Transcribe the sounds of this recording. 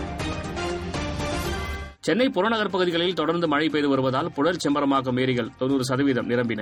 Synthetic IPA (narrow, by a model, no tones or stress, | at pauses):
t͡ʃɛnːɐɪpʊɾoːnɐɣɐɾp̬ɐɣɯðɪɣɐɭɪlt̪ɔɽɐɾnd̪ɯmɐɻɐɪpːeːðɯʋɐɾɯʋɐðaːlpʊɻɐlt͡ʃɛmbɐɾɐmaːɣɐmeːɾɪɣɐɭt̪ɔnːuːɾɯs̬ɐðɐʋiːðɐmnɪɾɐmbɪnɐ